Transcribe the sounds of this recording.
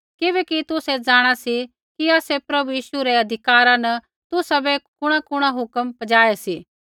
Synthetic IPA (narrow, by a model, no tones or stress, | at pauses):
kɪβɛːkit̪ʊsed͡zaːɽ̃asi | kiaːsepɾɐbujiːʃuɾeɐd̪ʱɪkaːɾãnɐ | t̪ʊsabɛkʊɽ̃akʊɽ̃aɦʊkəmpɐd͡ʒaːesiː